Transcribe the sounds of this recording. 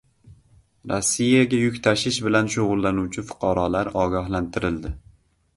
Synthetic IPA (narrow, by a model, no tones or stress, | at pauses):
ɾɒsːijaɡʲajʊkʲt̪ʰaʃɪʃbɪlanʃoʁʊlˠːanuwt͡ʃʰɪfʊ̥qʰɑɾɒlaɾɒɡʲɒhlant̪ʰɪɾɪld̪ɪ